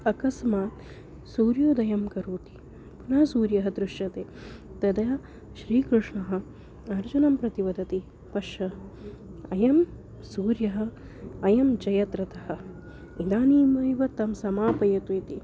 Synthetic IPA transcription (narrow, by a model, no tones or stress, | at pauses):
ɐkɐsmaːt̪ | suːɾjoːd̪ɐjɐmkɐɾuːt̪i̥ | punaːsuːɾjɐɦɐ̆d̪ɾuʃjɐt̪eːt̪ɐd̪ɐɐ | ʃɾiːkɾuʂɳɐɦɐ̆ | ɐɾd͡ʒunɐmpɾɐt̪iʋɐd̪ɐt̪i | pɐʃɐ | ɐjɐm | suːɾjɐɦɐ̆ | ɐjɐmt͡ʃɐjɐt̪ɾɐt̪ɐɦɐ̆ | id̪aːniːmɐːjʋɐt̪ɐmsɐmaːpɐjɐt̪it̪i